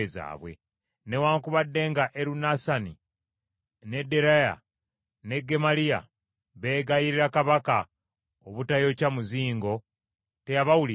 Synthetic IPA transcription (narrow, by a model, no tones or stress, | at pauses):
eza̰ːβwe̞̰ | ne̞waːŋkuβadːe̞ːŋɡaʔeɾunasani | ne̞dːe̞ɾaja̰ | ne̞ɡe̞malija̰ | βe̞ːɡajiɾiɾakaβaka | oβutajo̞camuziːŋɡo̞ | te̞jaβawuli